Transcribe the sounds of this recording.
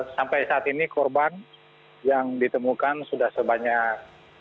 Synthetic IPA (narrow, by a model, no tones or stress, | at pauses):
sampajsaat̪inikɔrban | jaŋdit̪əmukansudahsəbaɲak̚